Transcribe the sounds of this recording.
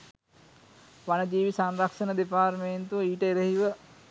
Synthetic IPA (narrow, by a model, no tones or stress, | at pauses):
ʋanəd͡ʒ̪iːʋisanɾakʂənəd̪epaːrmeːnt̪uʋəiːʈəeɾehiʋə